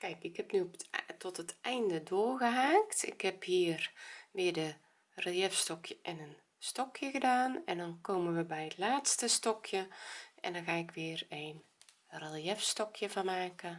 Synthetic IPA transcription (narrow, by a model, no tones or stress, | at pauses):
kɛjkɪkhɛpnyɔptʰɔtətɛjndədoərɣəɦaːktɪ̰khɛphiːərʋɪədə | relˠjɛfstɔkʰjəʔɛnən | stɔkjəɣədaːnɛndɔnkoːmənʋəbɛjətlaːtstəstɔkʰjəʔɛ̰ndɔnxaːɪkʋɪərejn | ralˠjɛfstɔkjəvɔnmaːkə